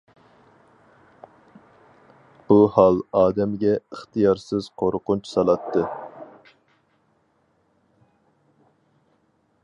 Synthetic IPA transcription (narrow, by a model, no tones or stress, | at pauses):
b̥uhɑlˠɑːd̪ɛmɡʲɛəχt̪ɨjɑɾsɨz̥qʰoɾqʊnt͡ʃʰsɑlˠɑt̪ʰːɨ